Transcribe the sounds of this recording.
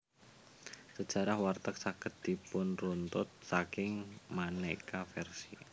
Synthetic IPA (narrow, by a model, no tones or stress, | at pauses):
səd̥ʒ̥a̤ɾahwart̪ək̚sakəd̪̚d̪̥ipʊnrunt̪ʊt̪̚sakɪŋmanekafɛrsi